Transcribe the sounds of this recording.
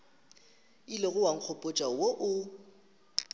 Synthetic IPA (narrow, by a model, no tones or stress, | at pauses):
ileɣʊwaŋ̩k͡xʰɔpʼʊt͡ʃʼawoʔʊ